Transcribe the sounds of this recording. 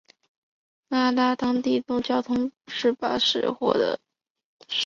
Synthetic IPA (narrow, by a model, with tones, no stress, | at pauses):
na˥˩t̪a˥t̪ɑ˥ŋt̪i˥˩ʈ͡ʂ̪ʊ˥˩ŋt͡ɕjɑ˥ʊt̪ʰʊ˥ŋʂɻ̩˥˩pa̰˥ʂɻ̩̰˥˩xwɔ̰˥˩d̪ə̰˧˩